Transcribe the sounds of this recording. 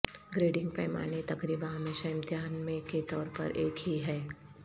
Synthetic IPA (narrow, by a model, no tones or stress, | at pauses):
ɡɾeːɖɪ̃ŋɡ̚pɛːma̰ːnet̪ɐkɾiːbãmeʃəɪ̃mt̪jaːnmẽket̪ɔːɾpɐ̰ɾʔeːkɦiɦɛː